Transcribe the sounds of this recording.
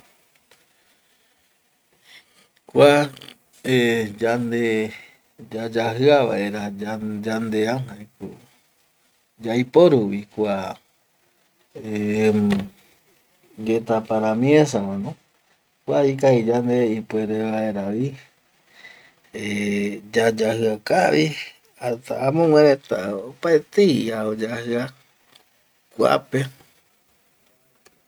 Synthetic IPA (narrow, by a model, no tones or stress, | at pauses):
kʷa | ed͡ʒand̪e | d͡ʒad͡ʒahɨaβa̰ʔeɾaad͡ʒand̪eanhajku | d͡ʒajpoɾuwikʷa | e | d͡ʒet̪apaɾamĩẽsamãnõ | kʷaikaid͡ʒand̪eipueɾeβaeɾaʋi | ed͡ʒad͡ʒahɨakaβi | at̪aamõŋwẽɾet̪a̰opaet̪eiaod͡ʒahɨa | kʷa̰pe